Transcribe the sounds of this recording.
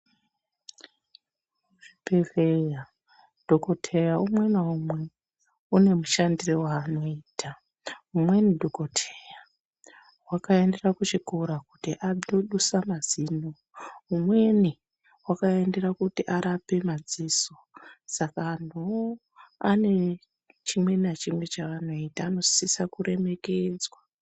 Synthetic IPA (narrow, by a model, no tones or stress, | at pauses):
ʐipeveja | d̥ʱokotʰejaumwe̞naumwe | une̞muʃandirewaːno̞iːtʰa | umwe̞nidʱokotʰeja | wakae̞nde̞rakut͡ʃikuɾakutiʔaoɗusamaziːno | ɦumwe̞ni | wakae̞nde̞rakutiʔaɾape̞mad͡ziso̞sakan̤o | ane̞ | t͡ʃimwe̞nat͡ʃimwe̞t͡ʃaʋano̞itaːno̞sisakuɾe̞me̞ke̞d͡zwa